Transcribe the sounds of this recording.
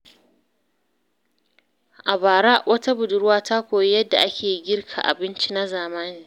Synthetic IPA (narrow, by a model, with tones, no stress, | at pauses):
ʔa˨baː˨ɽa˦ʔwʔɐ˦ta˦bʊ˨dʊ˨ɾʊ˦waː˦ta˦kʷoː˨ji˦jɐ˦dːa̰˨ʔa˦kʲʰeː˨˦ɡʲɪ˦rkʰa̰˨ʔa̰˨bɪ˦nt͡ʃi˦na˦zaː˨maː˦niː˨